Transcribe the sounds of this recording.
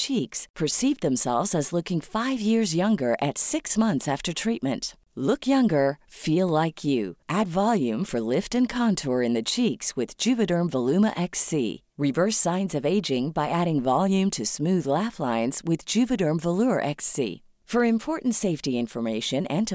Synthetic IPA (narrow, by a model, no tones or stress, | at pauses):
t͡ʃʰikspʰə˞sivðɨ̃msɛ̰lˠvzɨzlʊkɪ̃ŋfaɪvjɪɹzjʌ̃ŋɡə˞ʔɨtsɪksmʌ̃nθsæftə˞tʰɹ̥it̚mɨ̰̃nt | lʊkjʌ̃ŋɡə˞filˠlaɪkʰjɨ̰ʔædvɑlˠjʉ̃ɱfə˞lɪftɨ̃nkʰɑ̃ntʰɔɹɨ̃nðɨt͡ʃʰikswɨð̥d͡ʒʉvɨɾə̃˞mvəlʉmə̰ʔɛksḭ | ɹɪvɜ˞sãɪ̃nzʌveɪd͡ʒɪ̃ŋbaɪʔæɾɪ̃ŋvɑlˠjʉ̃mtʰɨsmʉðlæflãɪ̃nz̥wɪðd͡ʒʉvɨɾɜ̃˞ɱvəluəʔɛksḭ | fə˞ɨ̃mpʰɔɹʔn̩tseɪftiɪ̃ɱfə˞meɪʃɨ̃nɨ̃ntʰ